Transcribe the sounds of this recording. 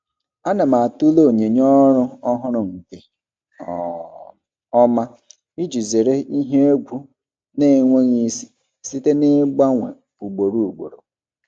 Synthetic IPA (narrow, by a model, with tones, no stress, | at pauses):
a˦na˨ma˨tu˦lo˦o˨ɲe˨ɲɔ˦ɾʊ˦ɔ˦ɦʊ˦ɾʊ˨ŋ̩˨ke˨ | ɔ˦˨ | ɔ˦ma˦ | i˦d͡ʒi˨ze˨ɾe˦i˦ɦe˦e˦ɡʷu˦ | ne˦˨ŋʷe˦ɲi˦si˦ | si˦te˦ne˦ɡ͡ba˦ŋʷḛ˨ | pu˨ɡ͡bo˨ɾu˦u˨ɡ͡bo̰˨ɾo̰˨